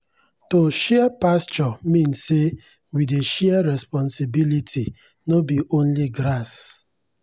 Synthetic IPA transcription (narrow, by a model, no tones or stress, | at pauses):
toʃɛapast͡ʃɔmĩnsːe | wideʃɛaɾɛspɔ̃nsibilitʰi | nobiʔõnliɡɾas